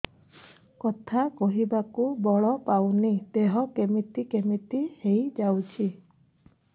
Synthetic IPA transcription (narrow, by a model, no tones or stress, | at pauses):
kɔt̪ʰakɔɦibakubɔɭɔpawnid̪eɦɔkemit̪ikemit̪ihejd͡ʒawt͡ʃʰi